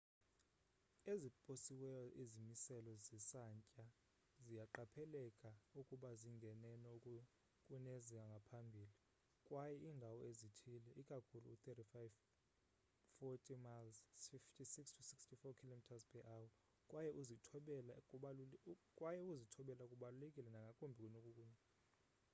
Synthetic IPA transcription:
ezipʼosiwɛjɔʔizimisɛlɔzisaɲcʼa | zijaǃapʰɛlɛkʼaukʼuɓaziŋɡʱɛnɛnɛukʼu | kʼuneziaŋɡʱapʰambʱiːli | kʼwajɛiːndʱawɔezitʰilɛʔikʼakʰulṵut̪etifajv | fɔtʼimalsfiftʰisikstʰusikstʰifɔkʰilomitʰazpʰɛʔawɔ | kʼwʔajɛʔuzitʰɓɛlakʼuakʼwajɛuzitʰɔɓɛlakʼuɓalulekʼilɛnaŋɡʱakʼumbʱikʼunokʼukʼuɲɛ

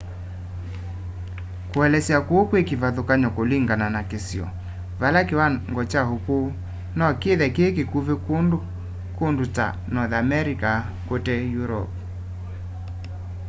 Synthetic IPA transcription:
koɛlɛsjakwokwekivaðokaɲɔkoliŋɡananakesiɔ̰ | valakewaŋɡɔt͡ʃahoko | nɔkeðɛkeːkekuvek | konduta̰ | nɔðamɛɾika | kotɛjuɾɔ̰p̚

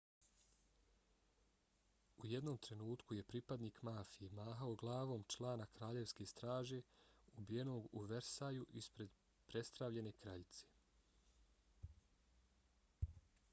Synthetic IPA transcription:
ujed̪no̞ːmt̪ɾe̞nuːt̪kuje̞pɾipad̪niːkmaːfijemaːɦaoɡlˠaːʋo̞ːmt͡ʃlˠaːnakɾaːʎe̞ʋske̞st̪ɾaːʒe̞ubijeno̞ːɡuʋeɾsaːjuʔispɾe̞d̪ | pɾe̞st̪ɾaʋʎe̞ne̞kɾaʎit̪se̥

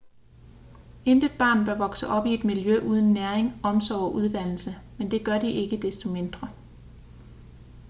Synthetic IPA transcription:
end̥ə̥b̥ɑ̰̈ːnb̥ɶɐʋɒ̽ɡ̥səʔɒ̽b̥ie̝d̥miljøʔuːð̞ˠənːæɐeŋɒ̽msɒʊɒʔuð̞ˠd̥æn̰l̩səmend̥e̝ɡ̥ɶɐd̥iʔe̝ɡ̥əd̥esd̥o̝me̝nd̥ʁɐ

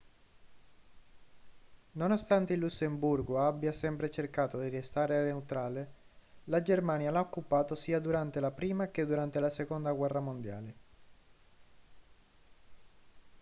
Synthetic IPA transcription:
nonost̪ant̪eilːusːemburɡoabːjasɛmpɾet͡ʃerkaːt̪od̪irest̪aːɾeanewt̪ɾaːle | lad͡ʒermaːnjalaokːupaːt̪osiːad̪uɾant̪elapɾiːmak̟ed̪ːuɾant̪elasekond̪aɡwɛrːamond̪ja̰ːle

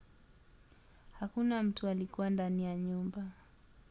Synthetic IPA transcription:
hakunam̩tualikuwandanijaɲumba

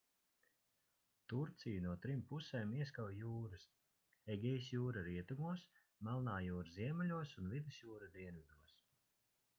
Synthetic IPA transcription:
t̪uɾt̪sijanuɔt̪ɾimpusɛːmiɛskawjuːɾɨs | ɛɡʲɛjsjuːɾaɾiɛt̪umuɔs | malˠnaːjuːɾziɛmɛlʲuɔsunvid̪ɨsjuːɾad̪iɛnvʲid̪uɔs

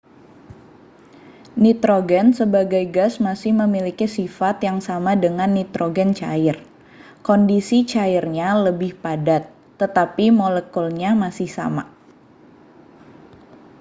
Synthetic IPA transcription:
nit̪ɾoɡɛnsəbaɡajɡasmasɪhməmilikisifat̪jaŋsamadəŋanːit̪ɾoɡɛnt͡ʃa̰ɪr | kondisit͡ʃaɪrɲaləbɪhpadat̪ːət̪apimolekɔlɲamasɪhsa̰ma̰

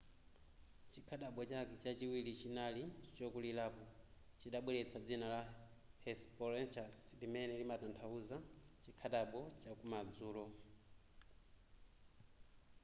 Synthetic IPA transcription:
t͡ʃikʰaɗaɓɔt͡ʃakɛt͡ʃat͡ʃiwilit͡ʃinalit͡ʃt͡ʃɔkulilaːpɔ | t͡ʃiɗaɓwɛɾɛt͡sʰad͡zinala | hɛspɔɾɛnt͡ʃaslimɛnɛlimatantʰauzat͡ʃikʰaɗaɓɔt͡ʃakumad͡zuːlɔ

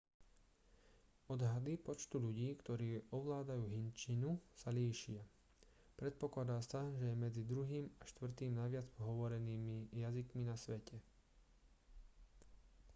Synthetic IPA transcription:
ɔd̪ɦad̪ipɔt͡ʃt̪uʎuɟiːkt̪ɔɾiːɔʋlaːd̪ajuːɦint͡ʃinusaliːʃɪa | pɾɛt̪̚pɔklad̪aːsaʒɛjɛmɛd͡zid̪ɾuɦiːmaʃt̪ʋr̩t̪iːmnajʋɪad͡zpɔɦɔʋɔɾɛniːmijazikminasʋɛcɛ

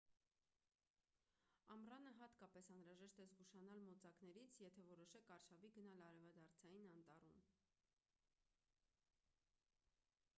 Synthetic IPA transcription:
ɑmrɑnəɦɑt̪kɑpɛsɑnɾɑʒɛʃt̪ɛzɡuʃɑnɑlmɔt͡sɑknɛɾit͡sʰjɛt̪ʰɛvɔɾɔʃɛkʰɑrʃɑviɡən̪ɑlɑɾɛvɑd̪ɑɾt͡sʰɑjinɑnt̪ɑrum

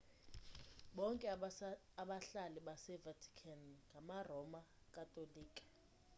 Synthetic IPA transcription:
ɓɔŋkʼɛ | aɓaɬaliɓasɛvatʰi̥kʰanŋɡʱamarɔma | kʼatʼoliːkʼḁ

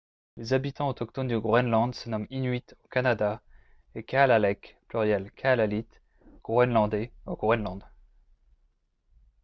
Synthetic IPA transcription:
lezabit̪ɑ̃ot̪ɔkt̪ɔnd̪əɡʁɛnlɑ̃d̪sənɔminɥit̪okanad̪a | ekalalɛkplyʁjɛlkʰalalit̪ | ɡ̥ʁwɛnlɑ̃d̪ɛoɡ̥ʁwɛnlɑ̃d̪

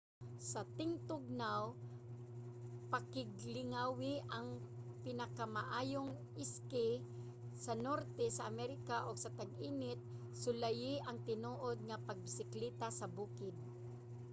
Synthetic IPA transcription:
sɐt̪ɪŋt̪ʊɡ̚naw | pakɪɡlɪŋawɪʔɐŋpɪnɐkamaʔaːjoŋ | ɪskɪ | sɐnoɾt̪ɛsɐʔamɛɾɪkaʔoɡsɐt̪aɡʔiːnɪt̪̚ | sʊlajɪʔɐŋt̪ɪnoːʔod̪̚ŋapɐɡ̚bɪsɪklɛt̪asɐbuːkɪd̪̚

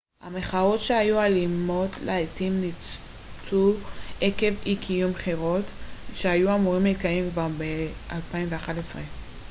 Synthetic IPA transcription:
hame̞χao̞tʃehajualimo̞tlaetimnit͡s | tʰueke̞vikʰijumχeʁo̞tʃeajuamuʁimlit̪kajemkvaʁbeʔalpaimveaχatesʁe

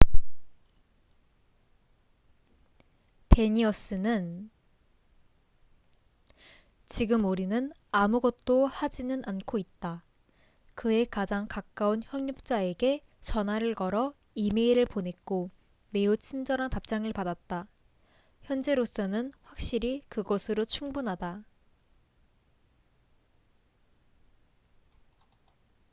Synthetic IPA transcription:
te̞ɲiʌs͈ɯnɯn | t͡ɕiɡɯmuɾinɯnamuɡʌt̚t͈ohad͡ʑinɯnankʰoit̚t͈a | kɯe̞kad͡ʑaŋkak͈aunçjʌŋɲup̚t͡ɕ͈ae̞ɡe̞ | t͡ɕʌnɦaɾɯɭkʌɾʌ | imeiɾɯɭpone̞k͈o | me̞ut͡ɕʰind͡ʑʌɾɦantap̚t͡ɕ͈aŋɯɭpadat̚t͈a | çjʌnd͡ʑe̞ɾos͈ʌnɯnɸwak̚ɕ͈iɾikɯɡʌsʰɯɾot͡ɕʰuŋbunɦada

